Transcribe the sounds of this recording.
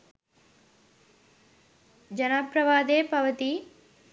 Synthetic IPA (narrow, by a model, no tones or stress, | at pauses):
d͡ʒɐnapɾɐʋaːd̪eːpɐʋɐt̪i